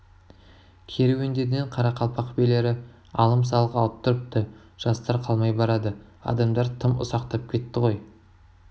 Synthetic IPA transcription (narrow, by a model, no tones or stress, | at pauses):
kʲʰe̞ɾewend̪e̞ɾd̪eɴqʰɑɾɑqʰɑlˠpɑqʰbele̞ɾɪ | ɑlˠəms̬ɑlˠəqɑlˠəp̚t̪ʰʊɾəp̚t̪ə | ʒ̥ɑst̪ɑɾqʰɑlˠmɑjbɑɾɑd̪əɑ̰d̪ɑmd̪ɑɾt̪ʰəmʊ̰sɑqt̪ɑp̚kʲʰe̞t̪ːɪʁo̞j